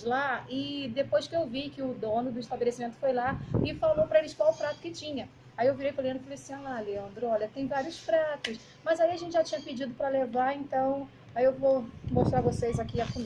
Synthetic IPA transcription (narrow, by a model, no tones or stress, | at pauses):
laɪd̪epojskɪewvikɪʊd̪õnʊd̪ʊiʃt̪abelesimẽnt̪ʊ̥fojlaɪfalopɾɐelɪʃkwawʊpɾat̪ʊ̥kɪt͡ʃĩɲɐ | aiewviɾejpɾʊleɐ̃d̪ɾɪfaleasĩɲalaleɐ̃nd̪ɾʊɔʎʲɐt̪ẽj̃vaɾiʊsfɾat̪ʊs | mɐzaiɐʒẽntt͡ʃɪʒat͡ʃĩɲɐpɪd͡ʒid̪ʊpɾɐlevaẽnt̪ɐ̃w̃ | aiewvomoʃt̪ɾaɾvosejzakiɐfũ